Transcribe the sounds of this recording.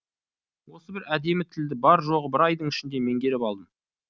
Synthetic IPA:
wo̞səbɪɾæd̪e̞mɪt̪ʰɪld̪ɪbɑɾʒo̞ʁəbɪɾɑjd̪əɴɪʃɪnd̪e̞me̞ŋɡʲe̞ɾɪpɑlˠd̪əm

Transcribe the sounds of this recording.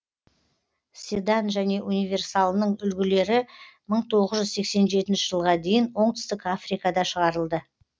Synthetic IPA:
sʲed̪anʒæne̞ʔunijvʲe̞rsalˠnəɴʏlɡʲɪle̞ɾɪməɴt̪ʰo̞ʁəzʒʏzse̞kse̞nʒe̞t̪ɪnʃɪʒ̥əlˠʁɑd̪e̞jɪnwo̞ɴt̪ʏ̥st̪ɪkafrikɑd̪ɑʃəʁɑɾəlˠd̪ə

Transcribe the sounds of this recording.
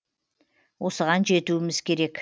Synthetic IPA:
wo̞səʁɑnʒe̞t̪uɪmɪz̥kʲʰe̞ɾe̞k

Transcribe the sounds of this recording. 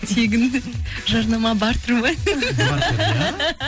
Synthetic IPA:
t̪ʰe̞ɡʲɪnʒɑɾnɑmɑbɑɾt̪ʰʊɾmɑj

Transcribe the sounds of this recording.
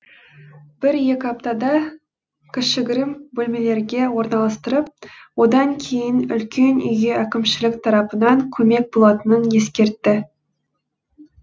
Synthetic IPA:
b̥ɪɾje̞kʲɪɑp̚t̪ɑd̪ɑ | kʲɪʃɪɡʲɪɾɪmbɵlme̞le̞ɾɡʲe̞wo̞ɾnɑlˠɑst̪əɾəp̚wo̞d̪ɑŋkʲʰe̞jɪnʏ̰lkʲʰe̞nʏ̰jɡʲe̞ækʲɪmʃɪlɪkt̪ʰɑɾɑpənɑŋkʲʰɵme̞k̚bo̞lˠɑt̪ənənje̞skʲe̞ɾt̪ːɪ

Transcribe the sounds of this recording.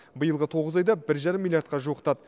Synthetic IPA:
bəjəlˠʁət̪ʰo̞ʁəzɑjd̪ɑbɪɾʒɑɾəmːilʲjaɾt̪̚qɑʒuəqt̪ɑd̪ə

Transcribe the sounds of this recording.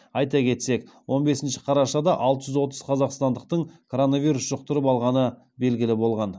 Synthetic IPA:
ɑjt̪ɑkʲʰe̞t̪se̞k | wʔo̞nbe̞sɪnʃɪ̥qʰɑɾɑʃɑd̪ɑʔɑlˠt̪əʒʏzwo̞t̪əz̥qʰɑzɑqst̪ɑnd̪əq̚t̪əɴkʰo̞ɾo̞navʲijɾusʒ̥ʊq̚t̪əɾəpɑlˠʁɑnə | be̞lɡʲɪlɪbo̞lˠʁɑn

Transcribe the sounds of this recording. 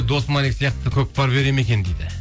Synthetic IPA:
d̪o̞smɑnikʲsijɑq̚t̪əkʲʰɵk̚bɑɾbe̞ɾeme̞kʲe̞nd̪ejd̪ɪ

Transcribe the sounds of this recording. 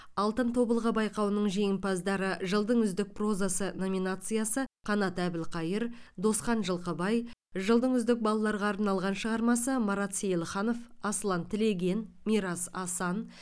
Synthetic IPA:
ɑlˠt̪ənt̪ʰo̞bəlˠʁəbɑjqɑwənəɴʒe̞jɪmpɑzd̪ɑɾəʒəlˠd̪əɴʏzd̪ɪk̚pro̞zasəno̞mʲinat̪sɨjasəqʰɑnɑt̪æbɪlqʰɑjəɾd̪o̞sqɑnʒəlˠqəbɑj | ʒəlˠd̪əɴʏzd̪ɪk̚bɑlˠɑlˠɑɾʁɑːɾnɑlˠʁɑnʃəʁɑɾmɑsəmɑɾɑt̪sejlˠχɑno̞fɑslˠɑnt̪ʰɪle̞ɡʲe̞n | mʲiɾɑsɑsɑn

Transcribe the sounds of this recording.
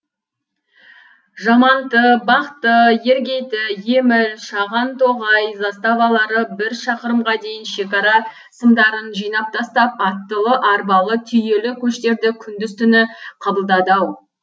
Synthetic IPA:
ʒɑmɑnt̪əbɑqt̪əje̞ɾɡʲe̞jt̪ɪje̞mɪlʃɑʁɑnt̪ʰoʁɑjzɑst̪ɑvɑlˠɑɾəbɪɾʃɑqəɾəmʁɑd̪e̞jɪnʃe̞kɑɾɑ | səmd̪ɑɾənʒijnɑp̚t̪ʰɑst̪ɑp̚ɑt̪ːəlˠəʔɑɾbɑlˠət̪ʰʏje̞lɪkʲʰɵʃt̪e̞ɾd̪ɪkʲʰʏnd̪ɪzt̪ʏnɪqʰɑbəlˠd̪ɑd̪ɑw

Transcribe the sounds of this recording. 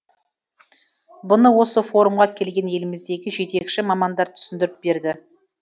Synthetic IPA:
bʊnəwo̞səfo̞ɾumʁɑkʲʰe̞lɡʲe̞nje̞lɪmɪzd̪e̞ɡʲɪʒe̞t̪e̞kʃɪmɑmɑnd̪ɑɾt̪ʰʏ̥sɪnd̪ɪɾɪp̚be̞ɾd̪ɪ

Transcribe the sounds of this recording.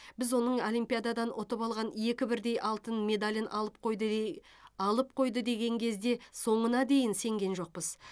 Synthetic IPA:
bɪzwo̞nəɴo̞lʲimpijad̪ad̪ɑnʔot̪əpɑlˠʁɑnje̞kʲɪbɪɾd̪e̞jʔɑlˠt̪ənme̞d̪alʲənˠpqj̪ | ɑlˠəp̚qʰo̞jd̪əd̪e̞ɡʲe̞ŋkʲʰe̞zd̪e̞so̞ɴənɑd̪e̞jɪnse̞ŋɡʲe̞nʒo̞q̚pəz

